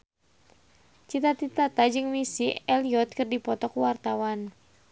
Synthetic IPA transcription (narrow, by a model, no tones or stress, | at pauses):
t͡ʃit̪at̪it̪at̪ad͡ʒɨŋmisiɛliɔt̪̚kɨrdipɔt̪ɔkuwart̪awan